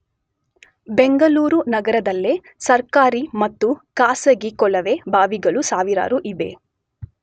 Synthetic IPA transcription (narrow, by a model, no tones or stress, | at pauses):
beŋɡɐluːɾunɐɡɐɾɐd̪ɐlːe | sɐɾkaːɾimɐt̪ːukaːsɐɡikɔlɐʋe̞bʱaːʋiɡɐɭusaːʋiɾa̰ːɾuʔiʋḛ